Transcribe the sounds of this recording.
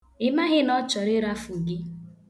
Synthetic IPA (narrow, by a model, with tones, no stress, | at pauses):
ɪ˨ma˦ɦɪ˦nɔ˦t͡ʃɔ˨ɾɪ˦ɾa˦fu˨ɡi˦